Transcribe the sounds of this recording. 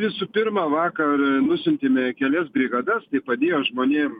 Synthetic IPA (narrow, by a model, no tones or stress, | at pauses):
ʋʲɪsuːpʲɪrmɑːʋɑːkɐrnʊsʲʊnʲt̪ʲeːmʲɛkʲɛlʲɛsɡɾʲiɡɐd̪ɐst̪ɐɪpɐd̪ʲeːjoːʒmoːnʲeːm